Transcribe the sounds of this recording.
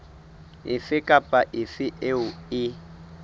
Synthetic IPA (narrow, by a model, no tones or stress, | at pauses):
ɪ̰fɪkʼapʼaʔɪfɪʔeʊɪ